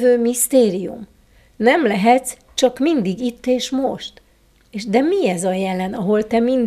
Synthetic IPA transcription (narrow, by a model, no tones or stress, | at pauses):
vøːmist̪eːɾijṵm | nɛmlɛɦɛt̪s | t͡ʃɒkmind̪iɡit̪ːeːʃmoʃt̪ | eːʃd̪ɛmiɛzɒjɛlɛnɒɦo̞lt̪ɛmin